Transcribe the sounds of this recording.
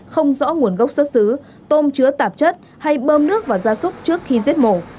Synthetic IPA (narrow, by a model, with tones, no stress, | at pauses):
xə˧wŋ͡mzɔ̰˧˥ŋu˧˩ənɣə˦˥wk͡p̚sə˦˥t̚sɨ˨˦ | t̪o˧mt͡ɕɨ˨˦ət̪aː˨˩p̚t͡ɕə˦˥t̚ | ha˧jɓəː˧mnɨ˦˥ək̚vaː˨˩wzaː˧sʊ˦˥k͡p̚t͡ɕɨ˦˥ək̚xi˧zi˦˥t̚mo˧˩